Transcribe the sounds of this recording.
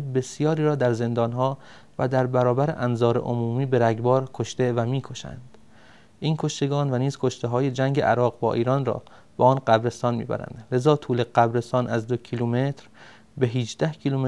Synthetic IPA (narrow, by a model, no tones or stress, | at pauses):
be̞sijɒːɾiːɾɒːd̪æɾze̞nd̪ɒːnɦɒː | væd̪æɾbæɾɒːbæɾḛʔæmzɒːɾḛʔomuːmiːbe̞ɾæɡbɒːɾkʰoʃt̪evæmiːkʰo̞ʃæ̰nd̪̥ | ʔiːnkʰo̞ʃt̪e̞ɡɒːnvæniːz̥kʰo̞ʃt̪eɦɒːje̞d͡ʒæŋɟeʔæɾɒːɣbɒ̰ːʔiːɾɒːnrɒ̰ː | b̥eɒːnɢæbɾe̞st̪ɒːnmḭːbæ̰ɾæ̰nd̪̥le̞zɒːt̪ʰuːleɢæbɾe̞st̪ɒːnʔæzd̪ocʰiːlumet̪ʰɾ | beɦiːd͡ʒd̪æhcʰiːlume